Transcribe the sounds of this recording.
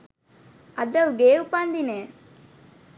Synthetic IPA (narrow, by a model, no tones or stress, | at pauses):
ɐd̪ɐʋɡeːupand̪ineː